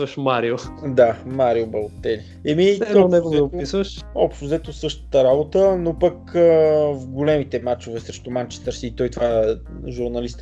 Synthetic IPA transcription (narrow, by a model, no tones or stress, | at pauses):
vəʃmaɾiod̪amaɾiobɐlot̪ːɛli | ɛmiɔɛɡozɛɛopisvəʃɔpʃt̪ʊzɛt̪osɤʃt̪ə̥t̪əɾabot̪ənopəkəvɡʊlɛmit̪ɛmat͡ʃovɛsɾɛʃt̪omant͡ʃɛ̥st̪əɾsiːt̪ɔjt̪ovaɛ | ʒuɾnɐlist̪